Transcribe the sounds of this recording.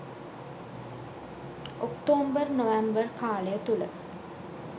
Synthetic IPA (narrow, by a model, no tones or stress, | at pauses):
okt̪oːmbərnəʋæmbərkaːlejət̪ulə̰